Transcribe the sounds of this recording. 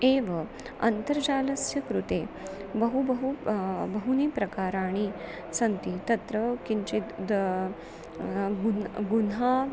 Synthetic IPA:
eːʋɐ | ɐ̰nt̪əɾd͡ʑaːlɐsjɐkɾut̪ebɐɦubɐɦubɐɦuniːpɾɐkaːɾaːɽ̃i | sɐnt̪it̪ɐt̪ɾəkint͡ʃit̪ | ɡuɡunɦa

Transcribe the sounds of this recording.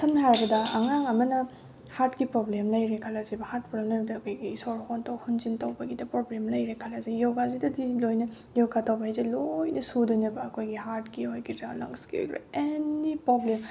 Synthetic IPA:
sʰɐmɦaɾɐbɐdɐɐŋaŋɐmɐnɐ | haɾtɡipɾoblemlɐjɾekʰalɐzibɐhaɾt̚pɾɔlɐɾdɐːkʰojɡisoɾhontɐwhunzintɐwbɐɡidɐpɾoblemlɐjɾekʰɐlazijoɡazidɐdilojnɐ | joɡatɐwbɐɦajzelojnɐsudonɐbɐːkʰojɡiɦaɾtɡihojɡitɾalɐ̰ŋskio̰jkɾḛenipɾoblem

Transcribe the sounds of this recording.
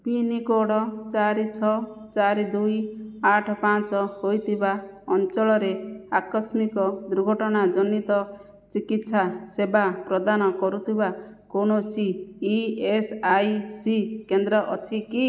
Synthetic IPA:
pinikoɽɔt͡ʃaɾit͡ʃʰɔ | t͡ʃaɾid̪ujaʈʰɔpãt͡ʃɔhojt̪ʰibaɔnt͡ʃɔɭɔɾeakɔsmikɔd̪uɾuɡʱɔʈɔɽ̃ad͡ʒɔnːit̪ɔ | t͡ʃikit̪sasebapɾɔd̪anɔkɔɾut̪ʰiba | konosiː | esajsikend̪ɾɔʔɔ̰t͡ʃʰiki

